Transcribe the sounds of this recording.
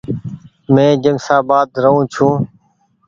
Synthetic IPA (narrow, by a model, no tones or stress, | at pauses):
mẽːd͡ʒənsaːbaːd̪ɾəɦũːt͡ʃʰũː